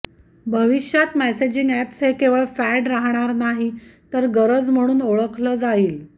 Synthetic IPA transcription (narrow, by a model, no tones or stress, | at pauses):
bʱəʋiɕjat̪mæsed͡ʑiŋɡæpsɦekeʋəɭfæɖɾaɦɳ̃aɾnaɦit̪əɾɡəɾəd͡zm̤əɽ̃uːnoɭəkʰləːd͡zaiːl